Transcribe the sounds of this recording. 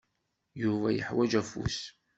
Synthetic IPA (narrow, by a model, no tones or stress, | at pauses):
juvæjəħwæd͡ʒæfṵs